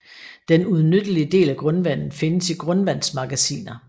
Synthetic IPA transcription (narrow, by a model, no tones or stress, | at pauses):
d̥enuð̞ˠnød̥əliəd̥e̝̰ːlæɡ̥ʁɔnʋæn̰n̩fe̝nəsiɡ̥ʁɔnʋæn̰smɑ̈ɡ̥æsḭːnɐ